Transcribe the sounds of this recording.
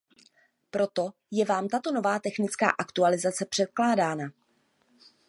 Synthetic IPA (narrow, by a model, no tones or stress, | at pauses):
pɾo̞t̪o̞ | jɛvaːmt̪at̪o̞no̞vaːt̪ɛxnɪt͡ska̰ːʔakt̪ualɪzat͡sɛpr̝̥ɛt̪̚klaːdaːna